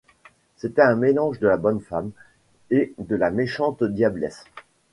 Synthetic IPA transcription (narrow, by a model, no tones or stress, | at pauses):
set̪ɛɛ̃melɑ̃ʒd̪əlabɔnfam | ed̪əlameʃɑ̃t̪d̪jablɛs